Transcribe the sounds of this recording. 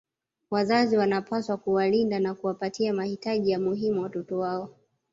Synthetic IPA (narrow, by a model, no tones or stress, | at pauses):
wazaziwanapʰaswakuwalindanakuwapatiamahitaʄijamuɦimuwatɔtɔwaɔ